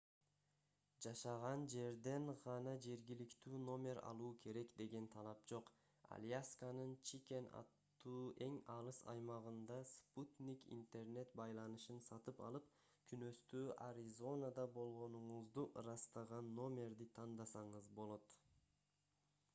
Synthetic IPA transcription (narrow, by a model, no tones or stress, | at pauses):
d͡ʒɑʃɑʁɑnd͡ʒe̞ɾd̪e̞ɴʁɑnɑd͡ʒe̞ɾɡilikt̪yːno̞mʲe̞ɾɑ̰lˠuːkʰe̞ɾe̞kd̪e̞ɡe̞nt̪ʰɑlˠɑpd͡ʒo̞q | a̰lʲijaskanɯnt͡ʃʰikʲe̞nɑ̰t̪ːuːʔe̞ŋɑɾɯsɑ̰jmɑʁɯnd̪ɑsput̪nʲikḭnt̪e̞rne̞t̪bɑjlˠɑnɯʃɯnsɑt̪ɯpɑ̰lˠɯp̚ | kʰynø̞st̪øːʔaɾʲizo̞nad̪ɑbo̞lˠʁo̞nuɴuzd̪uɾɑst̪ɑʁɑnːo̞mʲe̞rd̪it̪ʰɑnd̪ɑsɑɴɯzbo̞lˠo̞t̪